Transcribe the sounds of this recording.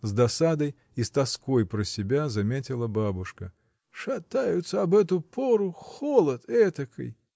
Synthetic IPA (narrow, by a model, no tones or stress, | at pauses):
zd̪ɐsad̪əj | ist̪ɐskojpɾəsʲɪbʲazɐmʲetʲɪlˠəbabʊʂkə | ʂɐt̪ajʊt̪səɐbɛt̪ʊpʰoɾʊxolˠət̪ɛt̪əkʰə̰j